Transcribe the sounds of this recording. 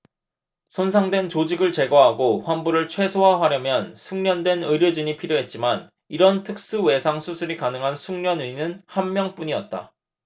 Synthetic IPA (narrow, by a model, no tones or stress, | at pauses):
sʰonsʰaŋdwe̞nt͡ɕod͡ʑiɡɯɭt͡ɕe̞ɡwaɦaɡoɸwanbuɾɯɭt͡ɕʰwe̞sʰoɦaɦaɾjʌmjʌnsʰuŋɲʌndwe̞nɯɾjʌd͡ʑiɲipʰiɾjoɦe̞t̚t͡ɕ͈iman | iɾʌntʰɯk̚s͈uwe̞sʰaŋsʰusʰuɾikanɯŋɦansʰuŋɲʌnɯinɯnhammjʌŋp͈uɲiʌt̚t͈a̰